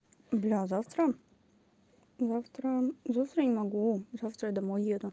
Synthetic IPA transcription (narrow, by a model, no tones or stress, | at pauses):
blʲazaft̪ɾə | zaft̪ɾəzaft̪ɾənʲɪmɐɡuzaft̪ɾəjd̪ɐmojed̪ʊ